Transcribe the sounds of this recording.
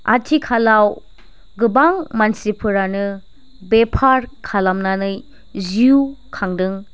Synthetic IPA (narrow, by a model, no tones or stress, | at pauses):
a̰tʰikʰalaw | ɡɯbaŋmansipʰɯɾanɯ | bepʰaɾkʰalamnanɯj | ziukʰaŋdɯŋ